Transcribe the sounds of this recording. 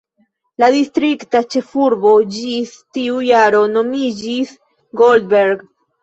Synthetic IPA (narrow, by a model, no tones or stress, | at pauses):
ladistɾiktat͡ʃe̞fuɾbo̞d͡ʒistiujaɾo̞no̞mid͡ʒis | ɡoldbeɾɡ